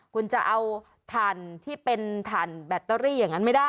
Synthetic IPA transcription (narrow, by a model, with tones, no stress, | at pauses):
kʰu˧nt͡ɕa˨˩ʔa˧w | t̪ʰaː˨˩nt̪ʰiː˥˩pe˧nt̪ʰaː˨˩nbɛː˨˩t̪ːɔ˧˥ɾiː˥˩jaː˨˩ŋːa˦˥nma˥˩daː˥˩